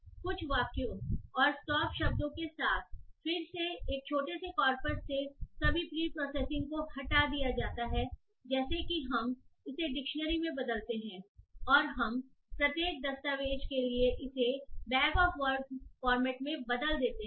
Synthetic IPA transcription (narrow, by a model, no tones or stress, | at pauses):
kʊt͡ʃʰʋaːkjõɔːɾsʈɔːpʃɐb̚d̪õkesaːt̪ʰfɪɾseeːk̚t͡ʃʰoːʈesekɔːɾpəɾsːesɐbʱipɾiːpɾɔːsɛːsɪ̃ŋɡkoɐʈad̪ijad͡ʒaːt̪aɦɛː | d͡ʒɛːsekiɦɐmɪseɖɪkʃənəɾimẽbɐd̪əlt̪eɦɛ̃ːɔːɾɦɐm | pɾɐt̪jeːk̚d̪ɐst̪aːʋeːʃkelieʔɪsebɛːkɔːfʋəɾɡfɔːɾmɛːʈmẽbɐd̪əld̪eːt̪eɦ